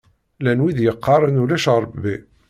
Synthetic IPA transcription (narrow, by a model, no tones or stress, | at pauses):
lænwiðjəqːɑɾˤənulæʃɾˤəbi